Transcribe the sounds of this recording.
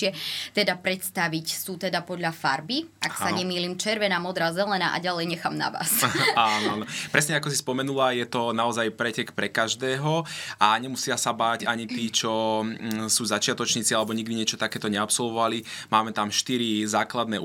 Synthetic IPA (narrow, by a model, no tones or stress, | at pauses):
ɪɛt̪ɛd̪apɾɛt̪st̪aʋicsuːt̪ɛd̪apɔd̪ʎafaɾbiʔaksaɲɛmiːliːmt͡ʃɛɾʋɛnaːmɔd̪ɾaːzɛlɛna̰ːʔa̰ɟalɛjɲɛxaːmna̰ʋa̰ːsanɔaːnɔpɾɛsɲɛakɔsispɔmɛnulajɛt̪ɔnaɔzajpɾɛcɛkpɾɛkaʒd̪ɛːɦɔaɲɛmusɪasabaːɟaɲit̪iːt͡ʃɔ | suːzat͡ʃɪat̪ɔt͡ʃɲiːt͡sialɛbɔɲiɡ̚d̪iɲɛt͡ʃɔ̥t̪akɛːt̪ɔɲɛapsɔlʋɔʋalimaːmɛt̪amʃt̪iɾizaːklad̪nɛː